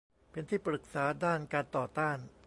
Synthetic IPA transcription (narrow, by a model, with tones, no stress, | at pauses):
pe˧nt̪ʰiː˥˩pɾɯ˨˩k̚saː˩˦daː˥˩nkaː˧nt̪ɔː˨˩t̪aː˥˩n